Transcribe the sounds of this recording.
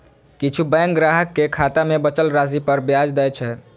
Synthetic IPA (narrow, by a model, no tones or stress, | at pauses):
kit͡ʃʰubɛ̃ŋk̚ɡɾaɦəkːekʰat̪amebət͡ʃəlɾasipəɾbjad͡ʒd̪ɛt͡ʃʰɛ